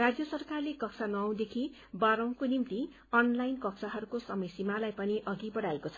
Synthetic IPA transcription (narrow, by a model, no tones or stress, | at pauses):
rad͡zjʌsʌrkarlekʌk̚sʰanʌːw̃d̪ekʰi | baɾʌ̃w̃konimt̪i | ʌnlajnkʌksaɦʌɾukosʌmʌsimalajpʌniʔʌɡibʌɽaekot͡sʰʌ̥